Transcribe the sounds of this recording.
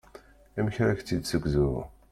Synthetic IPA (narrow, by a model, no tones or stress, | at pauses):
æməçɾaçt͡sːid̪səɡʷzuɾ̰